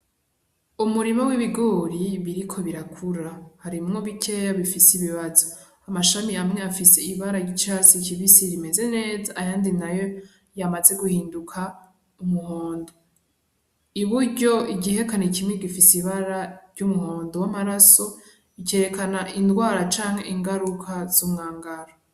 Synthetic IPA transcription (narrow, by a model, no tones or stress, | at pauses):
umuɾimowiβiɡoːɾiβiɾikʰo̞βiɾakʰuɾahaɾimŋo̞βikʰe̞jaβifisiβiβazo | amaʃamiamŋeafiseiβaɾaɟit͡ʃasiciβisiɾime̞ze̞ne̞ːzaːjaːndinajo̞ | jamaze̞ɡuhiːndukʰa | umuhoːndo | iβuɾɟo̞iɟiɦe̞kanecimŋeɡifisiβaɾaɾɟumuho̞ːndowamaɾaso̞ | ice̞ɾe̞kanaʔindɡwaːɾat͡ʃaːŋ̥he̞ʔiŋɡaɾukʰaz̥umŋaːŋɡaɾo